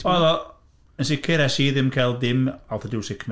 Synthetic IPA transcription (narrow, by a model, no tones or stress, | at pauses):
ɔðɔ | ənsɪkʰɪɾɛsiðɪmkʰalˠdɪmalˠθaduːsɪkʰn